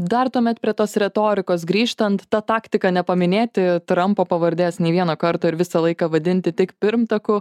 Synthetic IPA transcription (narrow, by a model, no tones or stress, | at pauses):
d̪ɐrt̪uɔmʲɛt̪̚pʲɾʲiɛt̪oːsɾʲɛt̪oːɾʲɪkoːsɡɾʲiːʃt̪ɐnt̪ːɑt̪ɑːkt̪ʲɪkɐnʲɛpɐmʲɪnʲeːt̪ʲɪt̪ɾɐmpoːpɐʋɐɾʲd̪ʲeːsnʲɛɪʋʲiɛnoːkɐɾt̪oːɪɾʋʲɪsɐlˠɐɪkɐʋɐd̪ʲɪnʲt̪ʲɪt̪ʲɪkpʲɪɾmt̪ɐkʊ